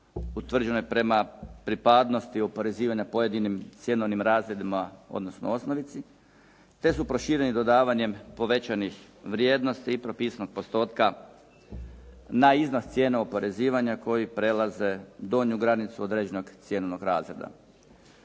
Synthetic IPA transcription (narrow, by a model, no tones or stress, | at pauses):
ut̪ʋr̩d͡ʑe̞nojpɾe̞mapɾipad̪no̞st̪iopo̞ɾe̞ziːʋaɲapo̞je̞d̪inimt̪sʲje̞noʋnimɾaːzɾed̪imao̞̰d̪no̞sno̰o̞snoʋit̪si | t̪e̞supɾo̞ʃiːɾe̞nid̪od̪aːʋaɲe̞mpo̞ʋe̞t͡ɕanix | ʋɾje̞ːd̪no̞st̪iːpɾo̞piːsano̞ɡ̚po̞st̪o̞ːt̪ka | naiznost̪sje̞ːnaopo̞ɾe̞ziːʋaɲako̞jipɾe̞lˠaze̞d̪o̞ːɲuɡɾanit̪suo̞d̪ɾe̞ːd͡ʑeno̞ɡt̪sje̞nono̞ɡɾa̰ːzɾḛd̪a̰